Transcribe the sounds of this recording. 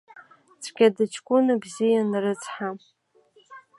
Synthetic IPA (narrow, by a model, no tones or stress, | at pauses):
t͡sʷʰɡʲadɨt͡ʃʰkʷʼʊnabzijanrɨt͡sʰʼħa